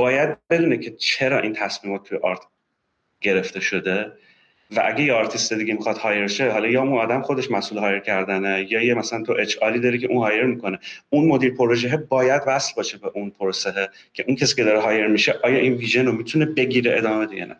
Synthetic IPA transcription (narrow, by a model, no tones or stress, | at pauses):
b̥ɒːjæd̪̚be̞d̪uːnecʰe̞t͡ʃʰeɾɒːʔiːnt̪ʰæsmiːmɒːt̪ʰːujeʔɒːɾt̪ʰ | ɟ̥e̞ɾe̞ft̪e̞ʃo̞d̪e̞ | væʔæ̰ɟʲejeɒːɾt̪ʰist̪id̪iɟemixɒt̪hɒːjeɾʃe̞ɦɒlɒːjɒːunɒːd̪æmxo̞d̪e̞ʃmæsʔuːlɦɒːje̞ɾkcʰæɾd̪ænejɒːjemæsælænt̪ʰoʔet͡ʃɒːliːd̪ɒːɾecʰe̞ʔunhɒːje̞ɾmiko̞neunmo̞d̪iːɾpʰo̞ɾoʒeɦebɒːjæd̪væslbɒːʃebeʔunpʰoɾoseɦe | cʰe̞ʔuncʰesiːcʰʲe̞d̪ɒːɾeɦɒːje̞ɾmiʃeʔɒːjɒːʔinviːʒenomit̪ʰune̞be̞ɟiːɾeed̪ɒːmeed̪ijɛ̰næ̰